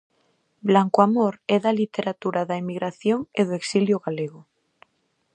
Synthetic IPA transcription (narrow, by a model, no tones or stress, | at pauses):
blaŋkoamoɾeðalit̪eɾat̪uɾaðaemiɣɾaθjoŋeðoeksiljoɣaleɣ̞o